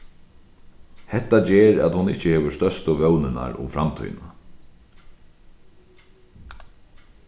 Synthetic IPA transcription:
hɛt̪ːad͡ʒɛːɾa̰t̪hʊnɪht͡ʃəheːʋʏ̥st̪œst̪ʊʋœwnɪna̰ɾʊ̰mfɾamt̪ʰɔ̰jna

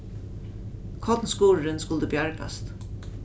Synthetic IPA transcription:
kʰɔt̪nskuːɾɾɪnskʊlt̪əbjaɹka̰st̪

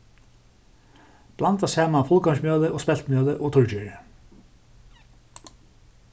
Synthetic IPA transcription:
plant̪asɛːmanfʊlˠkɔmsmjœːlɪʔɔːɣspɛl̥t̪mjœːlɪʔɔɣt̪ʰʊɹt͡ɕʏɹ

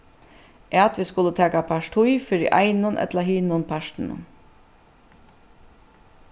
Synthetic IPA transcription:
ʔat̪ʋɪskʊlːət̪ʰæːkapʰaʂʈʰʊjfɪɾɪʔɑ̰ɪnʊnʔɛ̰t̪laɦiːnʊnpʰaʂʈn̩ʊ̰n

